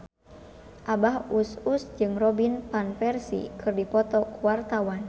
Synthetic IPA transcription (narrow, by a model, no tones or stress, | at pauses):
ʔabahususd͡ʒɨŋrɔbinpanfɛrsḭkɨrdipɔt̪ɔkuwart̪awan